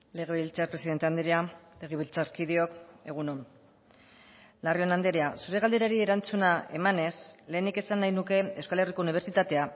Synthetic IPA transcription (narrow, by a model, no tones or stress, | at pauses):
le̞ɣ̞eβilt͡sapɾesiðet̪eand̪ɾeale̞ɣ̞eβilt͡saɾkiðio̞ke̞ɣ̞unon | lario̞nand̪eɾeasuɾe̞ɣ̞ald̪e̞ɾaɾieɾant͡sunae̞mane̞sle̞ːnike̞sanːajnuke̞ewskale̞riko̞uniβ̞e̞ɾt͡sit̪at̪e̞a